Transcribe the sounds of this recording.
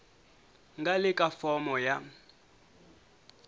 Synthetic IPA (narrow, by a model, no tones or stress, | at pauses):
ŋɡalɪkʼafɔmɔja